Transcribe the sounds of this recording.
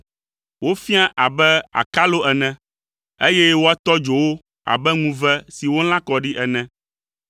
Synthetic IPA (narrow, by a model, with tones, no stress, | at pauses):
wo˦fi˦a˦ʔa˨bɛ˦a̰˨ka˦lo˦ʔɛ˨nɛ̃˨ | e˦jɛ˦wo˦a˦t̪ɔ˦d͡ʒo˨wo˦ | a̰˨bɛ˦ŋũ˦vɛ˦si˨wo˦l̃ã˦kɔ˨ɖi˦ʔɛ˨nɛ̃˨